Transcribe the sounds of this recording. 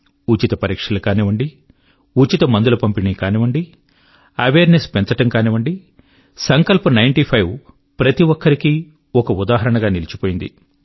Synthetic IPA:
ut͡ʃit̪ɐpɐɾiːkʂɐlɐkaːniʋɐɳɖi | ut͡ʃit̪ɐmɐnd̪ulɐpɐmpiniːkaːniʋɐɳɖi | ɐʋeːɾnespɛnt͡sɐʈɐŋkaːniʋɐɳɖi | sɐŋkɐlpunɐjɳʈipʰɐjʋ | pɾɐt̪iʋɔkːɐɾikiː | ɔkɐud̪aːɦɐɾɐɳɐɡaːnilit͡ʃipoːjind̪ḭ

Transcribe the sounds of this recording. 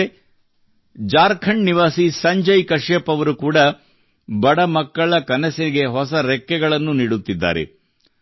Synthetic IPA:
e | d͡ʒaːɾkʰɐɳniʋaːsisɐɲd͡ʒɐjkɐʂjɐpːɐʋɐɾukuːɽɐ | bɐɽɐmɐkːɐɭɐkɐnɐsɐniɡe̞ɦɔsɐɾɛkːɛɡɐɭɐnːuniːɽut̪ːid̪ːa̰ːɾḛ

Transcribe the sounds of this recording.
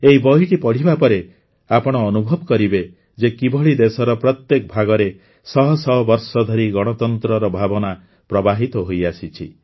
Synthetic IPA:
eibɔɦiʈipɔɽ̤ibapɔɾe | apɔɽ̃ɔːnubʱɔbɔkɔɾibe | d͡ʒekibʱɔɭid̪esɔɾɔpɾɔt̪jekɔbʱaɡɔɾe | sɔɦɔsɔɦɔbɔɾsɔd̪ʱɔɾiɡɔɽ̃ɔt̪ɔnt̪ɾɔɾɔbʱabɔna | pɾɔbaɦit̪ɔɦojasit͡ʃʰḭ

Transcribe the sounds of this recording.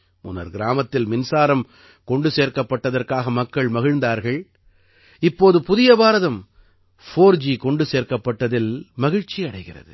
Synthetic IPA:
mʊ̰nɐ̰ɾɡɪɾaːmɐt̪ːɪlmɪnsaːɾɐm | kɔɳɖɯseːɾkɐpːɐʈːɐðɐrkaːɣɐmɐkːɐɭmɐɣɪɻnd̪aːɾɣɐɭ | ɪpːoːðɯpʊðɪjɐbaːɾɐðɐm | foːɾd͡ʒikɔɳɖɯseːɾkɐpːɐʈːɐðɪlmɐɣɪɻt͡ʃːiɐɽɐɪɣɪrɐ̰ðɯ̰

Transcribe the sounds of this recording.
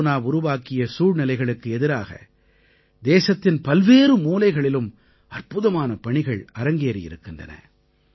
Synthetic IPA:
naːʊɾʊʋaːkɪjɐsuːɻnɪlɐɪɣɐɭɯkːɯɛðɪɾaːɣɐ̰ | d̪eːsɐt̪ːɪnpɐlʋeːɾɯmuːlɐɪɣɐɭɪlɯm | ɐrpɯðɐmaːnɐpɐɳɪɣɐɭɐɾɐŋɡeːɾɪ̰jɪ̰ɾɯkːɪndrɐ̰nɐ̰

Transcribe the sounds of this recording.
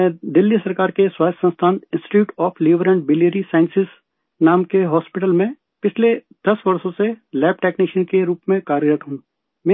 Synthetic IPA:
ɛ̃ːd̪ɪlːisɐɾkaːɾkeswaːt̪sə̃nst̪ʰaːnɪ̃nsʈɪ̥ʈjuːʈɔːfʰliːʋɾə̃ɳʈ̚bɪleːɾisaːɪ̃nsɪs | naːmkeɦɔːspɪʈ̬əlmẽ | pɪt͡ʃʰle | d̪̥ɐsbɐɾsõselɛːp̚ʈɛːkniːʃənkeɾuːpmẽkaːɾəɾəʈ̪ɦũ | m

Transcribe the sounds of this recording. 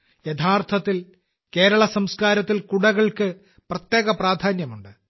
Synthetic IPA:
jet̪ʰaːrt̪ʰɐt̪ːil | ke̞ːɾɐɭɐsɐmskaːɾɐt̪ːilkuɽɐɣɐɭkɨ | prɐt̪jeːɣɐpraːd̪ʱaːnjɐmuɳɖɨ

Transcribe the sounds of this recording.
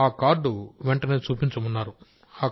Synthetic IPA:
aːkaːɾɖuʋɛɳʈɐneːt͡ʃuːpiɲt͡ʃɐmunːaːɾu | aː

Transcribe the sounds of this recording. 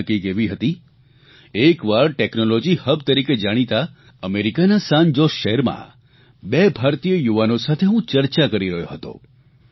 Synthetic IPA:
əkiɡeʋiɦət̪i | ekʋaɾʈeknolod͡ʒihəb̚t̪əɾiked͡ʒaɽ̃it̪a | əmeɾikanasand͡ʒosʃəɦɛɾmã̰ | bebʱaɾt̪ijəjuʋanosat̪ʰeɦũt͡ʃəɾt͡ʃakəɾiɾəɦjo̰ɦət̪o̰

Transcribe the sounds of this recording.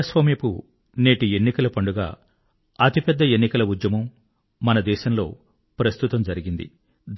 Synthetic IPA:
ɐsʋɐmipṵ | ne̞ːʈie̞nːikɐlɐpɐɳɖuɡa̰ː | ɐt̪ipɛd̪ːɐe̞nːikɐlɐud̪jɐmɐmː | ɐnɐd̪ɛːʃɐmlo̞ː | pɾɐst̪ut̪ɐmd͡ʒɐɾiɡind̪ḭ | d̪

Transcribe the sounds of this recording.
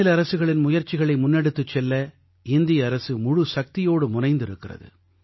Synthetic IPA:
ɪlɐɾɐsɯɣɐɭɪnmʊjɐɾt͡ʃɪɣɐɭɐɪmʊnːɛɽɯt̪ːɯt͡ʃːɛlːɐ | ɪnd̪ɪjɐːɾɐsɯmʊɻʊsɐk̚t̪ɪjoːɽɯmʊnɐɪnd̪ɪɾɯkːɪrɐ̰ðɯ̰

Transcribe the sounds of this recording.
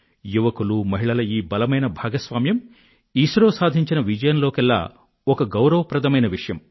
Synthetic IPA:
juʋɐkulumɐɦiɭɐlɐiːbɐlɐmɐjnɐbʱaːɡɐsʋaːmjɐm | iːsɾoːsaːd̪ʱiɲt͡ʃinɐʋid͡ʒɐjɐnlo̞ːkɛlːa̰ː | ɔkɐɡɐwɾɐʋɐpɾɐd̪ʱɐmɐjnɐʋiʂɐjɐm

